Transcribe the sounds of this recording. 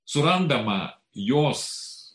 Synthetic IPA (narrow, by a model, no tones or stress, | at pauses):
suɾand̪ama̰ | jos